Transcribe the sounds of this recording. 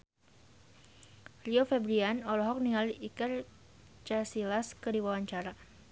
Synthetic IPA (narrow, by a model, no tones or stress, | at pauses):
riofɛbɾianɔlɔɦɔk̚niŋaliʔikar | t͡ʃasilaskədiwawaɲt͡ʃaɾa